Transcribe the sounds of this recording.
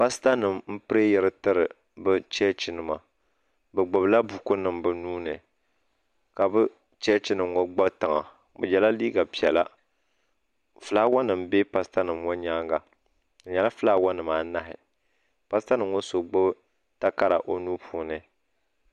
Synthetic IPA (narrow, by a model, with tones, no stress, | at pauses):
pa˦sta˦nɨ˨mm̩˦pɨ˦ɾe˦jɛ˦ɾɨ˦tɨ˦ɾɨ˨ | bɨ˦t͡ʃɛ˦t͡ʃi˦nɨ˨ma˨ | bɛ˨ɡ͡bʊ˨bla˦bu˨ku˦nɨ˨mbɨ˨nuː˦nɨ˨ | ka˨bɨ˦ | t͡ʃɛ˦t͡ʃi˦nɨ˨mŋo˦ɡ͡ba˦tɨ˨ŋa̰˨ | bɨ̰˨d͡ʒɛ˨la˦liː˦ɡa˨pi˨ɛ˨la̰˦ | fɨ˨laː˦wa˦nɨ˨mbe˦pa˦sta˦nɨ˨mŋo˦ɲaː˦ŋɡa˨ | ɲɛ˨la˦fɨ˦laː˦wa˦nɨ˨maː˨na˦ɦɪ̰˨ | pa˦sta˦nɨ˨mŋo˦so˨ɡ͡bʊ˦b | ta˦ka˦ɾa̰˨ʔo˦nu˦pʰu˦nɨ˨